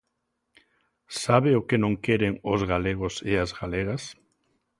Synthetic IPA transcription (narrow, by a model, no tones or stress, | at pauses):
saβeʊkenõŋkeɾeŋʊzɣaleɣ̞ʊseazɣaleɣ̞as